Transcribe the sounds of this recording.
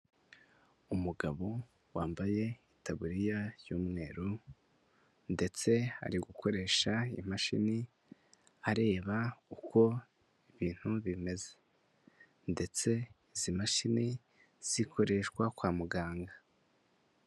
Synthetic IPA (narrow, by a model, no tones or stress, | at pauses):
umuɡaβo̞ | waːmbaje̞itaβuɾijaɾjuːmŋe̞ːɾu | nde̞t͡se̞ha̰ɾiɡukʰo̞ɾe̞ːʃaḭmaʃḭni | aɾe̞ːβaukʰo̞ | iβiːn̥huβime̞ze̥ | nde̞t͡se̞ | izimaʃini | z̥ikʰo̞ɾe̞ʃkwakwaːmuɡaːŋɡa